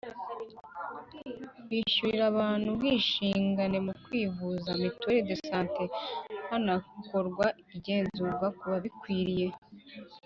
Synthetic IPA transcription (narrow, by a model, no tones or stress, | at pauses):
wiʃuiɾaβaːn̥hubɡiːʃiːŋɡane̞mukwiːvuzamitweɾedesaːnte̞hanakoɾɡwaiɟe̞ːnzuvakuβaβikwiːɾije̞